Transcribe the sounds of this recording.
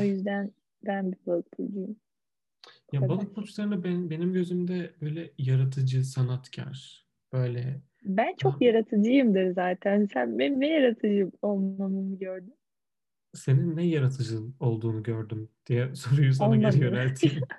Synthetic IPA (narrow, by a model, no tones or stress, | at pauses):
o̞jyzd̪æn | d̪ænbibøɾk̚bʰud̪ujm | jabalˠɯk̚pʰot͡ʃlˠaɾɯnabænbe̞nimɟø̞zymd̪ɛbø̞jlʲɛjaɾat̪̬ʰɯd͡ʒɯsanat̪cʰæ̰ɾ̥ | b̥ø̞jlʲɛ | bænt͡ʃʰo̞kjaɾat̪ʰɯd͡ʒɯjɯmd̪ɯɾzaːt̪ʰænsænbenɛjaɾat̪ʰɯd͡ʒɯolˠmamɯnɯɟøɾd̪ym | se̞ninːɛjaɾat̪ʰɯd͡ʒɯno̞lˠd̪uːnuɟøɾd̪ymd̪̥ijɛso̞ɾujusaonaaɾɛjøɾælʲt̪ʰiː